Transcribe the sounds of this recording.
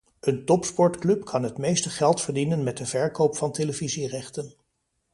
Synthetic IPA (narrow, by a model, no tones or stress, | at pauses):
əntɔpspɔɹtklɵpkʰɑnɦətmejstəχɛlˠtfəɹdinənmɛt̚dəvɛɹkowpfɑnteləvizirɛχtən